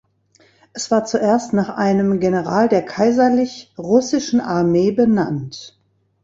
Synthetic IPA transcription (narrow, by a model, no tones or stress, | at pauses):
ʔɛsv̥aːɐt͡suʔeːɐstnaːχʔaɪnəmɡenəʁ̞aːldeːɐkʰaɪzɐlɪçʁʊsɪʃn̩ʔaɐmeːbəna̰nt